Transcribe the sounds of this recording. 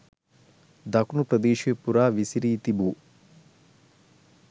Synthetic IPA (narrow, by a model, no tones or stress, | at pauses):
d̪ɐkunupɾɐd̪eːʃijepuɾaːʋisiɾiːt̪ibu